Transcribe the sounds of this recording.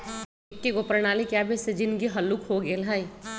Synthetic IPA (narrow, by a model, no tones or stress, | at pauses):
kːeɡopɾəñaːlikjaːbʱesed͡ʒɪnɡiɦɐlːukhoɡelɦaːi